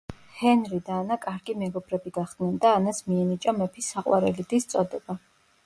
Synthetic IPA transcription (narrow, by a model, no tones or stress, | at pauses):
hɛnɾid̪aːnakʼaɾɡimɛɡɔbɾɛbiɡaχd̪̥nɛnd̪aːnasmiɛnit͡ʃʼamɛpʰisːaqʼwaɾɛlid̪ist̪sʼɔd̪ɛba